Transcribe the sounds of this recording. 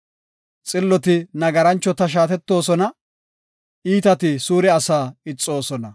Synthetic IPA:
t͡sʼɪlːɔt̪ɪnɐɡɐɾɐnt͡ʃːɔt̪ɐʃ̬aːt̪ɛt̪ːo̞ːsɔnɐ | iːt̪ɐt̪ɪsuːɾɛɐsaːɪt͡sʼːo̞ːsɔnɐ

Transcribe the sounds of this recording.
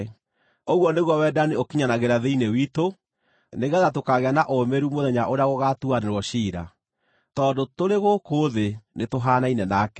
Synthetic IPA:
oɣwɔneɣwɔwɛdaneokiɲanaɣeɾaðeinewito | neɣaðatokaɣeanaʔomɛɾumoðɛɲaʔoɾeaɣoɣatuaneɾwɔɕiɾa̰ | tɔːndotoɾeɣokoðenetoɦaːnainɛnaːkɛ

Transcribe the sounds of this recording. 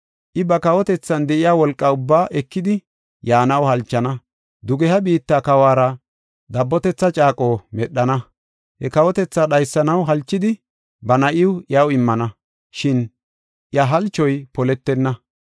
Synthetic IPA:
ʔɪbɐkɐwɔt̪ɛt͡sːɐnd̪ɛʔɪjaːwɔlkʼːɐʊbːaːʔɛkːɪd̪ɪ | jaːnɐwhɐlt͡ʃːɐnɐ | d̪ʊɡɛhɐbiːt̪ːakɐwaːɾɐ | d̪ɐbːɔt̪ɛt͡sːɐt͡ʃʼaːkʼo̞ːmɛɗːɐnɐ | hɛkɐwɔt̪ɛt͡sːaɗɐjsːɐnɐwɦɐlt͡ʃːɪd̪ɪ | bɐnɐʔɪwjɐwɪmːɐnɐ | ʃɪn | ʔjɐɦɐlt͡ʃːɔjpɔlɛt̪ːɛnːɐ

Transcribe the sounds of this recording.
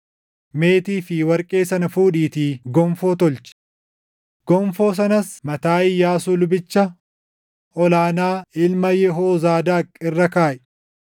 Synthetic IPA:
me̞ːt̪iːfɪwɐɾkʼe̞ːsɐnɐfuːᶑiːt̪iːɡɔmfo̞ːt̪ɔlt͡ʃɪ̥ | ɡ̥ɔmfo̞ːs̬ɐnɐsmɐt̪aːɪjaːsuːlʊbɪt͡ʃːɐ | ɔlaːnaːɪlmɐjɛɦoːzaːd̪aːkʼːɪrːɐkaːʔɛ̥

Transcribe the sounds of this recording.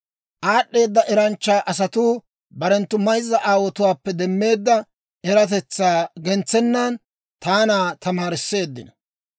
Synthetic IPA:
ʔaːɗːe̞ːd̪ːɐʔɛɾɐnt͡ʃːaːʔɐsɐt̪uː | bɐɾɛnt̪ːʊmɐjzːɐʔaːwɔt̪ʊwaːpːɛd̪ɛmːe̞ːd̪ːɐ | ɛɾɐt̪̬ɛt͡sːaːɡɛnt͡sːɛnːɐn | t̪aːnaːt̪ɐmaːɾɪsːe̞ːd̪ːɪnɐ

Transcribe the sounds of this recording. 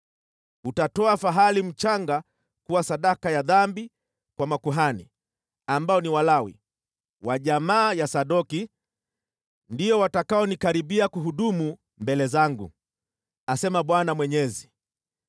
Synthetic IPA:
utatɔafaɦalim̩t͡ʃaŋɡa | kuwasaɗakajaðambi | kwamakuɦanḭ | ambaɔniwalawḭ | waʄamaːjasaɗɔki | ndijɔwatakaɔnikaɾiɓiakuɦuɗumu | mbɛlɛzaŋɡṵ | asɛmaɓwanamwɛɲɛzi

